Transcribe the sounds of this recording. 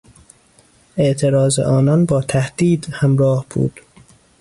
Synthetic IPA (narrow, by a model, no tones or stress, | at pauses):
ʔe̞ʔt̪ʰeɾɒːzḛʔɒːnɒnbɒːt̪ʰæhd̪̥iːd̪hæmɾɒːhb̥ṵːd̪̥